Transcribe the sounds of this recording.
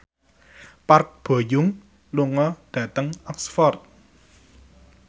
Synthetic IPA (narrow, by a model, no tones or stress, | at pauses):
park̚b̥ə̤juŋ | luŋɔd̥at̪əŋɔksfɔrt̪̚